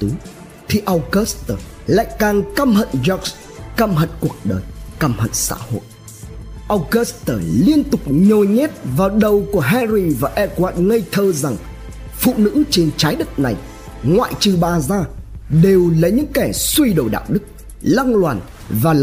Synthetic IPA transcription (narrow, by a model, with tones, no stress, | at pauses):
t̪ɨ˨˦ | t̪ʰi˨˩ʔaː˧wkɛ˦˥st̪ə˨˩ | la̰ː˧˨jkaː˨˩ŋka˧mhə̰˧˨nzɔ˧kz | ka˧mhə̰˧˨nku˨˩ək̚ɗə̰ː˨˩jka˧mhə̰˧˨nsa̰ː˧˥ho̰˧˨jʔ | ʔaː˧wkɛ˦st̪ə˨˩li˧ənt̪ʊ˨˩k͡p̚ɲo˨˩ɲɛ˦˥t̚vaː˨˩wɗə˨˩wku˧˩əɦa˧ɾi˧vaː˨˩ʔɛ˧kwaː˦˥t̚ŋə˧jt̪ʰəː˧za˨˩ŋ | fṵ˧˨nɨ̰˧˥t͡ɕe˧nt͡ɕaː˨˦jɗɨ˦˥k̚na˨˩j | ŋwa̰ː˧˨jt͡ɕɨ˨˩ɓaː˨˩zaː˧ɗe˨˩wlə˨˦jɲɨ̰˧˥ŋkɛ˧˩swi˧ɗo˨˩ɗa̰ː˧˨wɗɨ˦˥k̚ | la˧ŋlwaː˨˩n | vaː˨˩l